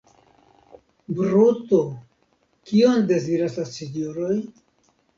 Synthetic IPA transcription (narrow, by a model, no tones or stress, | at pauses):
bɾut̪o | kio̞nde̞ziɾaslasinjoɾo̞j